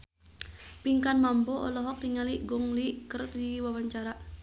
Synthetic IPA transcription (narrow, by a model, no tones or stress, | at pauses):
piŋkanmambɔʔɔ̰lɔɦɔk̚diŋaliʔɡɔŋliʔkərdiwawaɲt͡ʃaɾaʔ